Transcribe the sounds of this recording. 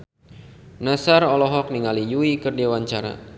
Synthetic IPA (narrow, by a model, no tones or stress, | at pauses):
nasarɔlɔɦɔk̚niŋalijuikɨrdewaɲt͡ʃaɾa̰